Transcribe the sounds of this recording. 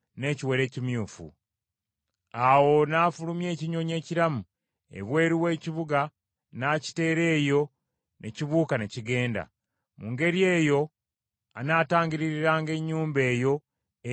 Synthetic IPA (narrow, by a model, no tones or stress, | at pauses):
ne̞ciwe̞ɾe̞ːcimjuːfṵ | awo̞naːfulumje̞ːciɲo̞ɲe̞ːciɾamu | e̞̰βwe̞ːɾiwe̞ːciβuɡa | naːci̥te̞ːɾe̞ːjo̞ | nʔe̞ciβuːkane̞ciɡe̞ːnda̰ | muŋɡe̞ɾie̞ːjo̞ | a̰naːtaːɲɟiɾiɾiɾaːŋɡe̞ɲːuːmbe̞ːjo̞